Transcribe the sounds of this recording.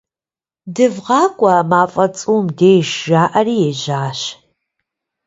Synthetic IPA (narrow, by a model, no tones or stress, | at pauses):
dɨvʁɑːkʷʼɐmaːfʼɐt͡sʼuːmdeːjʃʒaːʔɐriːjɛʒaːɕ